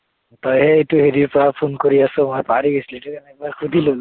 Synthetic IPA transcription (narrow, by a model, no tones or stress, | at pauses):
t̪ɔjɦɛejtuɦeɹiɹpɔɹapʰonkoɹiasʊ̃mapaɹiɡislituɛnɛbaɹkʰud̪ʱilol